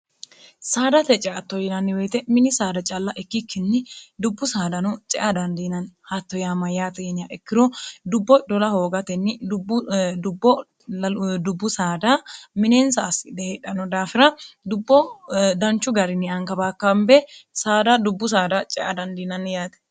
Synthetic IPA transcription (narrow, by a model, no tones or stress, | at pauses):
saːd̪ɐt̪ɛt͡ʃʼɛʔɐt̪ːɔjɪnɐnːɪweːt̪ɛmɪnɪsaːd̪ɐt͡ʃʼɐlːɐʔɛkːɪkʰːɪnːɪd̪ʊbːʊsaːd̪ɐnʊt͡ʃʼɛ̰ʔɐd̪ɐnd̪iːnɐnhɐt̪ːɔjaːmɐjaːt̪ɛɛnɪjaʔɛkːɪɾɔd̪ʊbːɔd̪ɔlɐho̞ːɡɐt̪ɛnːɪdd̪ʊbːɔ | d̪ʊbːʊsaːd̪ɐmɪneːnsɐːsɪd̪ɛheᶑɐnɔd̪aːfɪɾɐd̪ʊbːɔd̪ɐnt͡ʃːʊɡɐɾɪnɪɐŋkɐbaːkːɐmbɛsaːd̪ɐd̪ʊbːʊs̬aːd̪ɐt͡ʃʼɛʔɐd̪ɐnd̪iːnɐnːjaːt̪ɛ̥